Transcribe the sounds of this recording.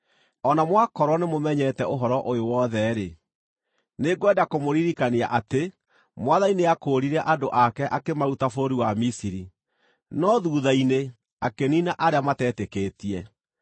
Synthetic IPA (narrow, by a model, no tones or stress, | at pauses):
ɔnamwakɔɾwɔnemomɛɲɛtɛoɦɔɾɔʔojowɔðɛɾe | neɡwɛdakomoɾiɾikaneaʔate | mwaðaineakoːɾiɾɛʔadoʔakɛʔakemautafoɾoɾiwamisiɾi | nɔðuːðaine | akeninaʔaɾeamatɛtekeːtiɛ